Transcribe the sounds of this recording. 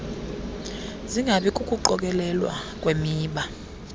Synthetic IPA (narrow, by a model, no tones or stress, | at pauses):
ziŋɡʱaɓɛkʼukʼuǃɔk̬ʼɛlɛlwa̰kʼwemiːɓa